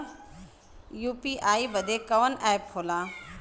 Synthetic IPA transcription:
juːpiʔaːibɐd̪ʱekɐʋənɛːphoːlãː

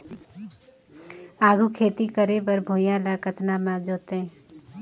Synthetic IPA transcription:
aːɡʱukʰeːt̪ikəɾebəɾbʱoːjãlakət̪namãd͡ʒoːt̪ẽ

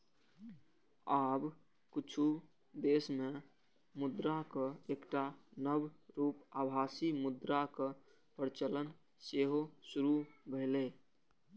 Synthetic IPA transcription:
aːb | kut͡ʃʰu | d̪eːsme | mʊd̪ɾakəekʈanəbɾupabʱaːsimʊd̪ɾakə | pəɾt͡ʃələn | seɦosuɾubʱəɪle

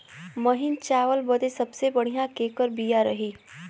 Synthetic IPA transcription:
mɐɦɪnt͡ʃaːʋəlbɐd̪esɐbsebɐɽ̤ijãkeːkəɾbijaɾɐɦiː

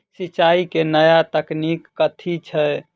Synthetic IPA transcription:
sit͡ʃaikenəjat̪əknikːət̪ʰit͡ʃʰɛ

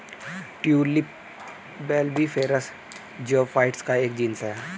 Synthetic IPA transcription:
ʈjuːlip | bɛːlbifʰeːɾəs | d͡ʒoːfaːɪʈskaeːkd͡ʒiːnsɦɛː

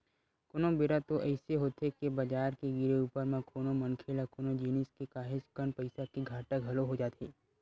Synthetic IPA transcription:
kʊnõbɪɾat̪oʔɛːseɦoːt̪ekebɐd͡ʒaːɾkeɡɪɾeuːpəɾmẽkʰoːnomɐnkʰeːlakoːnod͡ʒiːnɪskekaːɦɪd͡ʒkənpəɪsakiɡʱaːʈəkɦɐloɦod͡ʒaːt̪eː

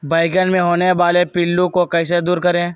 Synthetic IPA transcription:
baːɪɡənmẽɦoːneʋaːlepɪlːukokɛːs̬ed̪uːɾkɐɾẽ

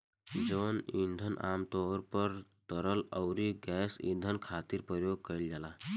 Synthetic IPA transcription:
d͡ʒənĩnd̪ʱənʔamt̪ɔɾpəɾt̪əɾələwɾiɡɛsḭ̃nd̪ʱənkʰat̪iɾpɾəjoɡ̚kəild͡ʒala

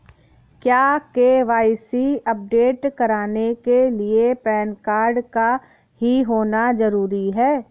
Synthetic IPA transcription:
kjaːkeʋaːɪsiɐp̚ɖeːʈkɐɾaːnekeliepɾɛːnkaːɾɖka | ɦiɦoːnazɐɾuːɾiɦɛː

